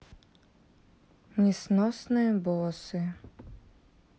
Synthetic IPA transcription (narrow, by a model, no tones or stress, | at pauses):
nʲɛsnɔsnɨjbɔsɨ